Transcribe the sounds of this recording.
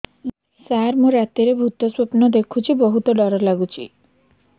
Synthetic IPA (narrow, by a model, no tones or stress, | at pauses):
saɾmoɾat̪iɾebʱut̪ɔswopnɔd̪ekʰut͡ʃʰibɔɦut̪ɔɖɔɾɔlaɡut͡ʃʰi